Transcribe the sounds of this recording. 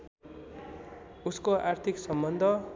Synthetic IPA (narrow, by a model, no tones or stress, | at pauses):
uskoart̪ʰiksʌmbʌnd̪ʱʌ